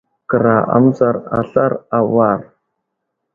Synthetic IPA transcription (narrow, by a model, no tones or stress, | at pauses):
kɨɾaʔa̰mzaraɬarawar